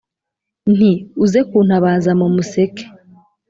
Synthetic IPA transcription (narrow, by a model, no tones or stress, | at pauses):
n̥iuzekuːn̥haβaːzamumuseke̥